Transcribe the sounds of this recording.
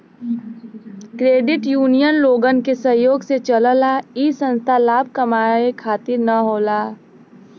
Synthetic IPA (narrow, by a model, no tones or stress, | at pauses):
kɾeːɖɪʈjuːnijənloːɡənkesəjoːɡset͡ʃələlaiːsə̃nst̪ʰalaːb̚ʱkɐmaːekʰaːt̪ɪɾnɐɦoːlaː